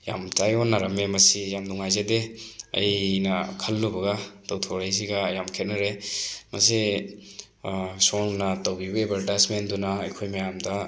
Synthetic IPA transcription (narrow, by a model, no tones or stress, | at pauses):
ja̰mtajɔnːaɾɐmemɐsijamduŋajzedeɐ̰jnɐkʰɐlːubɐɡɐtɐwtʰoɾajs̬iɡɐjamkʰet̚nɐɾemɐ̰si | sɔŋnɐtɐwbibɐebɐɾdasmendunɐɐjkʰojmɐjamdɐ